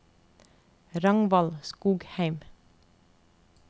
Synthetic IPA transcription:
ɾɑŋʋɑlskuːɡhæɪm

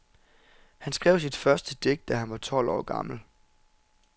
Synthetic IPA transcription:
hænsɡ̥ʁɛʊ̰sid̥fɶɐsd̥əd̥e̝ɡ̥̚d̥æɦænʋɑ̈t͡sʰɒ̽l̰ɒ̰ːɡ̥ɑ̈ml̩

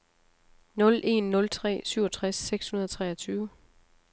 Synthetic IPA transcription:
nɔ̽lʔe̝nːɔ̽lt͡sʰʁɛ̰ːsyʊ̰ɒt͡sʰʁasːeɡ̥shunɐð̞ˠɒt͡sʰʁɛːɐt͡sʰyːʊə

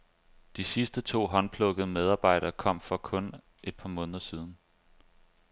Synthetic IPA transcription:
d̥isisd̥ət͡sʰo̝̰ːɦɒ̽npʰlɔ̽ɡ̥əð̩ˠəmeð̞ˠɑ̈ːb̥ɑ̈ɪ̰ɾ̥ɐːkʰɒ̽m̰fɒ̽kʰɔ̽n | e̝d̥̚pʰɑ̈ːmɔ̽ːnðˠɐsiːð̞ˠn̩

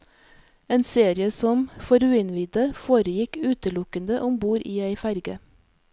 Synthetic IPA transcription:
eːnseːɾɪəsɔmfɔɾʉːɪnʋiːd̪əfoːɾəjɪkʉːt̪əlʊkənd̪əʔʊmbuːɾʔiːæɪfæɾɡə

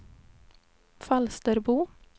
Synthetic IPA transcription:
fɑlst̪əɾbuː

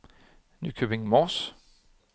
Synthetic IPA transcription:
nʉ̰ːkʰøbɪ̃ŋmɔːs

